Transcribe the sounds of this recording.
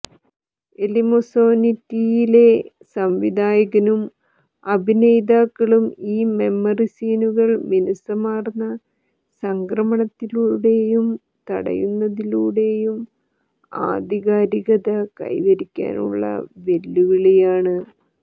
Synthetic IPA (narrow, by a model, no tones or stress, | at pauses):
elimosoːnitːijile̞ | sɐmʋid̪ʱaːjɐɣɐnum | ɐbʱinejd̪aːkːɐɭumiːme̞mːɐrisiːnuɣɐɭminɐsɐmaːrnːɐ | sɐŋkrɐmɐɳɐt̪ːiluːɽe̞jum | t̪ɐ̰ɽɐ̰junːɐðiluːɽe̞jum | a̰ːd̪ʱiɣaːɾiɣɐðɐkɐ̰jʋɐɾikʲːa̰ːnṵɭːɐ̰ʋe̞lːuɣɐɭejaːɳɨ